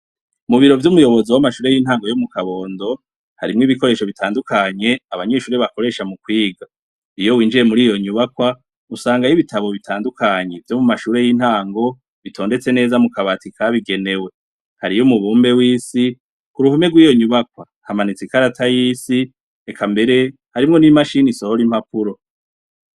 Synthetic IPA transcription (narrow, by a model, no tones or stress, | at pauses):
muβiɾo̞vjumujo̞βo̞ziwamaʃuːɾe̞jiːn̥haːŋɡo̞jomukaβo̞ːndo̞ | haɾimŋiːβiko̞ɾe̞ːʃo̞βitʰaːndukaɲe̞aβaɲe̞ːʃuːɾeβako̞ɾe̞ːʃamukwiːɡa | ijo̞wiːnd͡ʒiɾe̞muɾiːjo̞ɲuβakwa | usaːŋɡajiβitʰaβo̞βitʰaːndukʰaɲe̞vjomumaʃuːɾe̞jiːn̥haːŋɡo̞ | βitʰoːnde̞t͡se̞ne̞ːzamukaβatikʰaβiɡe̞ne̞we̞ | haɾijumuβuːmbe̞wiːsi | kuɾuhume̞ɡwiːjo̞ɲuβakwa | hamanit͡sikaɾatʰajiːsi | ekʰambe̞ɾe̞ | haɾimŋo̞nimaʃiniso̞hoɾim̥hapuɾo̞